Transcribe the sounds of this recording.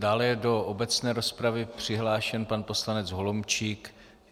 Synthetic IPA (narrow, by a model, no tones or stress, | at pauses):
daːlɛjɛdo̞ʔobɛt͡snɛːɾo̞spɾavɪpr̝̥ɪɦlaːʃɛnpanpo̞slanɛt͡sɦo̞lomt͡ʃik